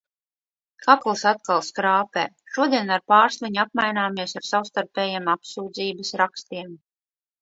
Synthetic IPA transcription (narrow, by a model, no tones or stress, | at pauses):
kʰaplˠsat̪̚kalˠskɾaːpɛ̰ːʃuɔd̪iɛnaɾpaːɾslˠaɲap̚majnaːmiɛsaɾsawst̪aɾpɛːjemapsuːd̪ziːbəsɾakst̪iɛm